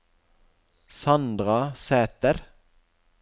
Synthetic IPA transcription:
sɑnd̪ʁɑseːt̪əɾ

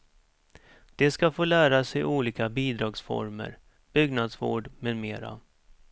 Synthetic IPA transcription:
d̪̥ɛskafoːlæːɾasɛjʔuːliːkabiːd̪ɾɑːɡsfɔ̰ɾmə̰ɾ | b̥ʏɡnad̪svo̰ːɖmɛd̪meːɾa̰

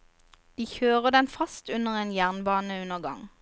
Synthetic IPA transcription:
d̪̥iːçøːʁəd̪ɛnfɑst̪ʉnəʁeːnjæʁnbɑːnəʉnəʁɡɑ̰ŋ

